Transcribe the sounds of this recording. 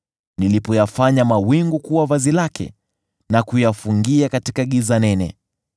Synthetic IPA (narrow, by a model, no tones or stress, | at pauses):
nilipɔjafaɲamawiŋɡukuwavazilakʰɛ̰ | nakujafuŋɡiakatikaɠizanɛnɛ̰